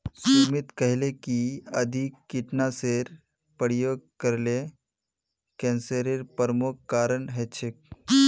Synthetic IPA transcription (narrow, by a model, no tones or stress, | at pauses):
sumit̪kəɦlekiəd̪ʱikːiʈnaseɾ | pəɾijoːɡ̚kəɾle | kɛ̃nsəɾeɾpəɾəmukːaːɾəɳɦɛt͡ʃʰek̚